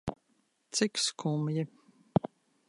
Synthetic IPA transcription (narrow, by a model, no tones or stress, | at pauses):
t̪sikskʰumji